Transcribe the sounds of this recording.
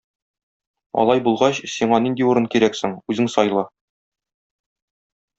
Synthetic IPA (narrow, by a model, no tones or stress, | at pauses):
ɒ̰lˠɑjbulˠʁɑɕsiɴɑnind̪iuɾɤɴkiɾæksɘŋʉzɘŋsɒjlˠɤ